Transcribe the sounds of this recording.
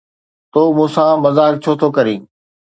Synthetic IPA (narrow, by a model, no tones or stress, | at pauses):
t̪oːmũːsãmɐzaːk̚t͡ɕʰoːt̪ʰokəɾĩː